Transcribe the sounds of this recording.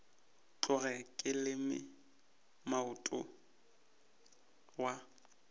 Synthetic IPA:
t͡ɬʼʊɣɛkʼɪlɪmɪ̰ | maʊtʼʊ̰ | wa

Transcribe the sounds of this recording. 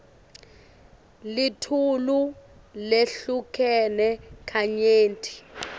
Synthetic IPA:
litʰulu | leɬukʰɛnɛkʰaɲeːntʰʼi̥

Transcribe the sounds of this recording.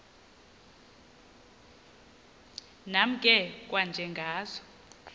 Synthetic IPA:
nam̩kʼɛkʼwand͡ʒʱɛŋɡʱaːzɔ

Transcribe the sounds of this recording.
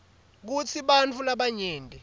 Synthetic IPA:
k̬ut͡sʰiɓant͡fʰulaɓaɲeːndʱʼɛ

